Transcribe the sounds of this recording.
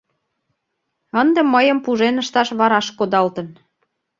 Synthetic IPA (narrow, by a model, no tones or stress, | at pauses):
ənd̪emːəjə̆mpuʒenəʃt̪ɑʃβɑɾɑʃkod̪ɑlt̪ən